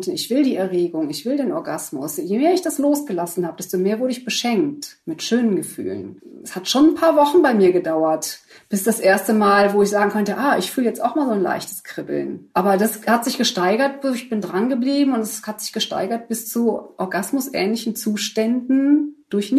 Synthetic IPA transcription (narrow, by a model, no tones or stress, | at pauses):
tɪçv̥ɪldiːɛɐʁeːɡʊŋɪçv̥ɪldeːnɔɐɡasmʊ̰sjemeːɐɪçd̥asloːsɡ̥əlasn̩haːbəd̥ɛstomeːɐvʊɐɾəɪçb̥əʃɛŋk̚tmɪtʃøːnənɡəfy̰ːlə̰nɛshatʃoːnnpʰaːɐvɔχn̩baɪmiːɐɡədaʊɐt | b̥ɪsd̥asʔeːɐstəmaːlvoːɪçz̥aːɡŋ̩kʰœntəʔaːʔɪçfyːləjɛt͡staʊxmaːlzoːnla̰ɪçtə̥skʁ̥ɪbl̩nʔaːbɐdashatz̥ɪçɡ̥əʃtaɪɡɐt̚b̥ɪçb̥ɪndʁanɡəbliːbm̩ʊntɛshatz̥ɪçɡ̥əʃta̰ɪɡɐt̚b̥ɪst͡suʔɔɐɡasmʊsʔɛ̰ːnlɪçn̩t͡suːʃtɛndn̩d̥ʊɐçn